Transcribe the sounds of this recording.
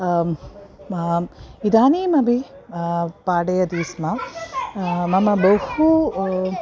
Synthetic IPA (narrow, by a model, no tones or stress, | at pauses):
id̪aːniːmɐbʱi | paːɽɐjɐd̪iːsma | mɐmɐbɐwhu